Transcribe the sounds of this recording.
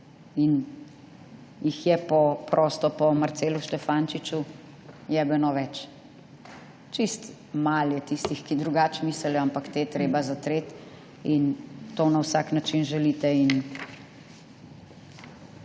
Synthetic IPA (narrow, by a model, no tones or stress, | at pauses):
in | jixjɛpɔpɾʔɔst̪ɔpɔmaɾt̪seːluʃt̪ɛfaːnt͡ʃit͡ʃu | jɛbɛnɔʋɛt͡ʃ | t͡ʃist̪ | maljɛt̪ist̪ixkid̪ɾuɡat͡ʃmisɛljɔampakt̪eːt̪ɾeːbazat̪ɾeːt̪ | int̪oːnawsaknat͡ʃinʒɛlit̪ɛin